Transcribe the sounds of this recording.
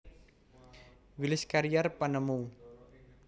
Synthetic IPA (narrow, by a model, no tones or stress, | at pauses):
wilɪskaɾijarpanəmuŋ